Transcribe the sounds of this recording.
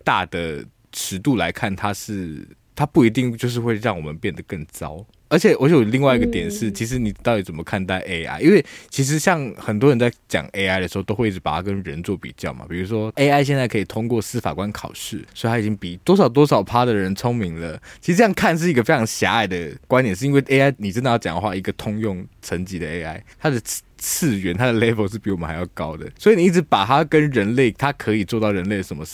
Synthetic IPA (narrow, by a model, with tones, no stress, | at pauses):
t̪a˥˩d̪ə˩ | ʈ͡ʂʰɻ̩˧˥t̪u˥˩la˧˥ɪkʰa˥˩nt̪ʰa˥ʂɻ̩˥˩ | t̪ʰa˥pu˥˩i˧˥t̪i˥˧ŋt͡ɕjo˥˧ʊʂ̬ɻ̩˥˧xwe˥˧ɪɻɑ˥˩ŋwɔ˨˩mə˦npjɛ˥˩nd̪ə˩kə˥˩ŋt͡sɑ̰˦˥ʊ | ə˧˥t͡ɕʰjɛ˨˩˦wɔ˧˦ɕo˧˨˩o˨˩li˥˧ŋwa˥˩ɪi˧˥ɡə˧t̪jɛ˨˩nʂɻ̩˥˩t͡ɕʰi˧˥ʂ̬ɻ̩˧˥ni˨˩t̪ɑ˥˩ʊt̪i˧˥t͡sə˨˩mə˦kʰa˥˧nt̪a˥˧˩ɪʔe˥ɪa̰˥ɪʔi˦nwe˥˩ɪt͡ɕʰi˧˥ʂ̬ɻ̩˧˦ɕjɑ˥˩ŋxə˨˩nt̪̬wɔ˥ɻə˧˦nt͡sa˥˩ɪt͡ɕjɑ̰˨˩ŋe˥ɪa˧˥ɪd̪ə˨ʂɻ̩˧˥o˥˩o˥ʊxwɪi˥˩ʈ͡ʂ̩˧˥pa˨˩t̪ʰa˥kə˦nɻə˧˦nt͡swɔ˥˩pḭ˨˩t͡ɕjɑ˥˩ʊma̰˩pi˨˩ɻu˧˥ʂwɔ˥e˥ɪa˥˧ɪɕ̬jɛ˥˧nt͡sa˥˩ɪkʰɤ˧i˨˩t̪ʰʊ˥ŋkwɔ˥˨sɹ̩˥fa̰˨˩kwa˦nkʰɑ̰˨˩ʊʂɻ̩˥˩swɔ˧˥˨a˥i˨˩t͡ɕi˥ŋpi˨˩t̪wɔ˥ʂɑ˨˩ʊt̪̬wɔ˥ʂɑ˨˩ʊpʰa˥d̪ə˨ɻə˧˦nt͡sʰʊ˥ŋmi˧˥ŋlə˨t͡ɕʰi˧˥˧ʈ͡ʂə˥jŋkʰa˥˧nʂ̬ɻ̩˥˩i˧ɡə˧fe˥ɪt͡sʰɑ˧˥ŋɕja̰˧˥a˨˩ɪd̪ə˩kwa˥nt̪jnʂ̬ɻ̩˥˧i˧˥ŋwe˥˩ʔe˥ɪa˥˩ɪni˨˩t͡ɕə˦nd̪ə˧˩jɑ˥˧ʊt͡ɕɑ̰˨˩ŋə˦xwa˥˩i˧˥ɡə˨t̪ʰʊ˥ŋjʊ˥˩ŋʈ͡ʂʰə˧˦nt͡ɕi˧˥d̪ə˨e˥ɪa˥˩ɪt̪ʰa˥d̪ə˨ | t͡s̩ʰ˥˩ɥɛ˧˥nt̪ʰa˥d̪ə˨le˥ɪfo˧˥ʂ̬ɻ̩˥˩pi˧˥wɔ˨˩ə˦nxa˧ɪjɑ̰˥˩ʊkɑ˦˥ʊd̪ə̰˨swɔ˧˥i˨ni˨˩i˥˩ɻ̩˧pa˨˩t̪ʰa˦kə˦nɻə˧˥nle˥˩ɪt̪ʰa˦kʰə˧˦i˨˩t͡swɔ˥˧t̪ɑ˥˩ʊɻə˧˦nle˥˩ɪdə˩ʂə˧˦mə˦˥